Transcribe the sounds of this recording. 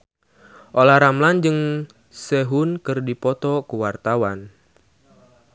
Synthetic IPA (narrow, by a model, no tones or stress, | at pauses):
ʔolahɾamland͡ʒɨŋ | seɦʊnkɨrdipɔt̪ɔkuwart̪awan